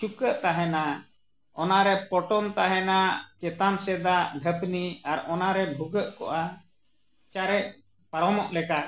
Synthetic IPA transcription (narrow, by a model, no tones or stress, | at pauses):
t͡ʃukəʔt̪aɦɛna | ɔnaɾɛpɔʈɔnt̪aɦɛnat͡ʃɛt̪ansɛd̪aʔɖʱəpniaɾɔnaɾɛbʱuɡəʔkɔ̰ʔa | t͡ʃaɾɛc̚ | paɾɔmɔʔlɛka